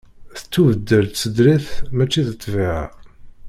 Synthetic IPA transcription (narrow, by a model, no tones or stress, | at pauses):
θə̥t͡sːuvəd̪ːəlt̪t͡sːəd̪ɾiθmæt͡ʃːiθət̪ˤːviʕa̰